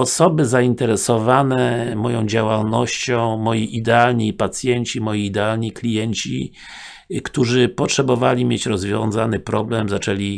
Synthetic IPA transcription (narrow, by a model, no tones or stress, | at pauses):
ɔsɔbɘzaint̪ɛɾɛsɔvanɛmɔjɔ̃w̃d͡ʑawalnɔɕt͡ɕɔ̃w̃mɔjiʔid̪ɛalɲipat̪sʲjɛɲt͡ɕimɔjiːd̪ɛalɲiklʲijɛɲt͡ɕḭ | kt̪uʐɘpɔtʂɛbɔvalʲimʲjet͡ɕɾɔzvʲjɔ̃ñzanɘpɾɔblɛmzat͡ʂɛlʲi